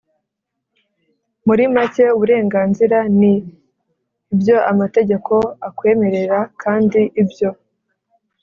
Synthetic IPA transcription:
muɾimace̞uβuɾe̞ːŋɡaːnziɾani | bjo̞ʔamate̞ɟe̞kʰo̞akwe̞ːme̞ɾe̞ɾakʰaːndiʔibjo̞

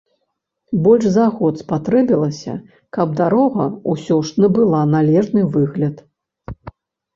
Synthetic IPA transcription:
bɔlʲʂzaɣɔt̪spat̪ɾɛbʲilˠɐsʲɐ̰ | kɐb̚d̪aɾɔɣɐusʲɔʂnɐbɨlˠanalʲɛʐnɨvɨɣlʲɐt̪

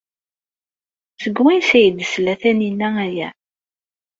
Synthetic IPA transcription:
səɡwinsæjəd̪əslæθæninːææjæ̰

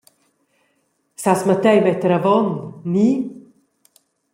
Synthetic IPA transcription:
sasmat̪ɛjmɛt̪əɾavɔnːi

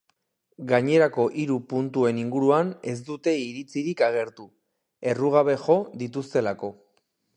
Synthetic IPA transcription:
ɡaɲe̞ɾako̞ʔiɾupunt̪ue̞niŋɡuɾuane̞z̬d̪ut̪e̞iɾit͡siɾikaɣ̞e̞ɾt̪u | e̞ruɣ̞aβ̞e̞ʝo̞d̪it̪ust̪e̞lako̞

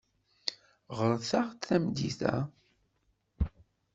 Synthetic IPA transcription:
ʁəɾˤθaʁt͡sθæmd̪iθæ̰

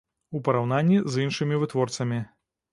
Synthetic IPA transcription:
upɐɾawnanʲːizinʂɨmʲivɨt̪vɔrt̪sɐmʲi

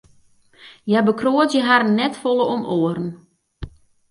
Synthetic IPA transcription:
jɛbəkroətjəɦaɾənnːɛtfolˠəomʔoəɾən̩

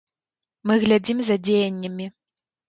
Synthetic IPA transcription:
mɨɣlʲad͡zʲimzɐd͡zʲejɐnʲːɐmʲi

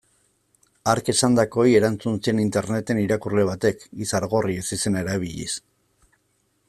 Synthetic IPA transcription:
aɾke̞sand̪ako̞je̞ɾant͡sunsienint̪e̞ɾne̞t̪e̞niɾakurle̞β̞at̪e̞kisaɾɣo̞riesise̞naeɾaβ̞iʎḭs

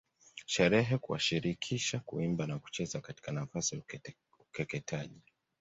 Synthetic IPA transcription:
ʃɛɾɛɦɛkuwa̰ʃiɾikʰiʃakṵimbanaku̥t͡ʃɛzakati̥kanafasi | ukɛkɛtʰaʄi

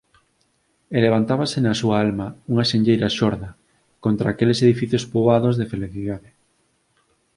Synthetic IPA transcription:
eleβ̞ant̪aβasenasuaalmɐuŋaʃeɲʎejɾaʃoɾðɐ | kont̪ɾaːkeleseðifiθjospoβaðozðefeliθiðaðe

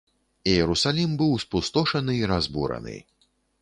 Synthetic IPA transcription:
ijɛɾusalʲimbɨwspust̪ɔʂɐnɨːɾazbṵɾɐ̰nɨ̰

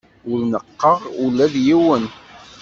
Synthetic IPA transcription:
ʊɾnəqːəʁʊlːæðjiwən

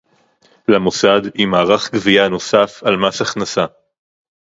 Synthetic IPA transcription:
lamosadhimaːʁaχɡviano̞safalmasaχnasa

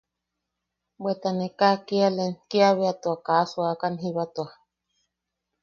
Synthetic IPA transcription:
bwet̪anekakialenkiaβeat̪uakasuakanɦiβat̪ua

